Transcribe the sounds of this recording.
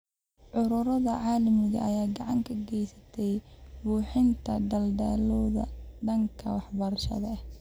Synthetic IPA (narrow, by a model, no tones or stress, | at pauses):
ʕʊɾʊɾɐðɐʕaːlɐmɪɣɐ̰ʔɐjaːɡɑʕɑŋkʰɐɡɛjsɐ̥t̪ʰɛjbuːħɪnt̪ʰɐd̪ɐld̪a̰ːlɔːðɐ̰ɖɐŋkʰɐwɑħbɐɾɐʃɐ̰ðɐɐh